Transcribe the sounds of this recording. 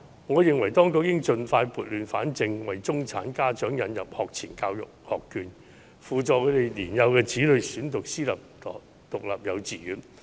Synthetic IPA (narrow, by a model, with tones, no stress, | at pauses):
ŋɔː˨˧jɪ˨ŋwɐ˨˩jt̪ɔː˥ŋkʊ˧˥k̚jɪ˥ŋt͡ʃɵ˧nfaː˧jpuː˨t̚lyː˨nfa̰ː˨˥nt͡sɪ˧ŋwɐ˨˩jt͡sʊ˥ŋt͡sʰa̰ː˨˥nkaː˥t͡ʃœː˨˥ŋjɐ˨˧njɐ̰˨p̚hɔː˨k̚t͡sʰiː˨˩nkaː˧wjʊ̰˨k̚hɔ̰ː˨kːyː˨˧n | fuː˨t͡sɔː˨˧kʰɵ˨˧˥t̪e˨jliː˨˩njɐ˨˧wkɛː˧t͡siː˨˥lɵ˨˧ɥsyː˨˥nt̪ʊ˨k̚siː˥lɐ˨p̚t̪ː | t̪ʊ˨k̚lɐː˨p̚jɐ˨˧wt͡siː˨jyː˨˧˥n